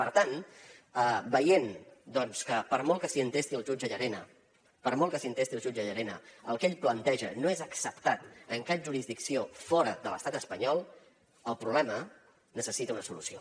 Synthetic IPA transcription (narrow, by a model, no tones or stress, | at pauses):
pəɾt̪anəbəjend̪ɔnskəpəɾmɔlˠkəsiənt̪est̪iəlˠʒud͡ʒəʎəɾenə̰ | pəɾmɔlˠkəsiənt̪est̪iəlˠʒud͡ʒəʎəɾenə̰əlˠkeʎplənt̪ɛʒə̰noezəksəpt̪at̪əŋkaʒuɾizðiksiofɔɾəðələ̰st̪at̪əspəɲɔlˠ | əlˠpɾuβlɛmə | nəsəsit̪əunəsulusio